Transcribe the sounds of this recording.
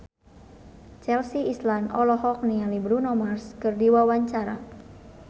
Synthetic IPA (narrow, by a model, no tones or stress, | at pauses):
t͡ʃɛlsiislanɔlɔhɔk̚nialibɾunɔmarskɨrdiwawaɲt͡ʃaɾa̰